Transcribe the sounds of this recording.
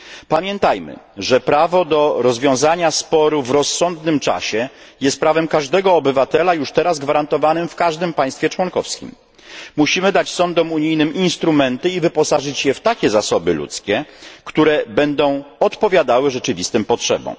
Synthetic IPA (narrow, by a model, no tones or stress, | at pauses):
pamʲjɛnt̪ajmɘ̰ʐɛpɾavɔd̪ɔɾɔzvʲjɔ̃w̃zaɲaspɔɾuvɾɔsːɔnd̪nɘmt͡ʂa̰ɕɛjɛst̪̚pɾavɛmkaʐd̪ɛɡɔːbɘvat̪ɛlajuʂt̪ɛɾazɡvaɾant̪ɔvanɘmfkaʐd̪ɘmpaj̃st̪fʲjɛt͡ʂwɔnkɔfskʲḭm | muɕimɘd̪at͡ɕsɔnd̪ɔmuɲijnɘminst̪ɾumɛnt̪ɘivɘpɔsaʐɘt͡ɕjɛft̪akʲɛzasɔbɘ̰lṵt̪skʲɛkt̪uɾɛbɛnd̪ɔ̃w̃ɔt̪pɔvʲjad̪awɘʐɛt͡ʂɘvʲist̪ɘmpɔtʂɛ̰bɔ̰̃w̃